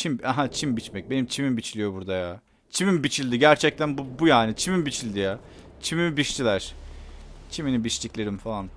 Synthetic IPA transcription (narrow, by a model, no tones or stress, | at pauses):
t͡ʃʰimaɦat͡ʃʰimbit͡ʃmɛc̚be̞nimt͡ʃʰimimbit͡ʃʰilʲijo̞buɾd̪ajaː | t͡ʃʰimimbit͡ʃʰilʲd̪iɟæɾt͡ʃʰɛc̚t̪ʰænbubujaːnit͡ʃʰimimbit͡ʃʰilʲd̪ijaː | t͡ʃʰimimbiʃt̪ʰilʲæɾ̥ | t͡ʃʰiminibiʃt̪ʰiclʲeɾimfalˠan